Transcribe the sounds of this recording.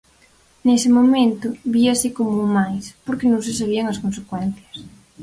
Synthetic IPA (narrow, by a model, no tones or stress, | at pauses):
nesɪmomẽnt̪ʊβiasikomumajspoɾkɪnõŋsɪs̬aβ̞iɐŋɐskonsekwɛn̟θjɐs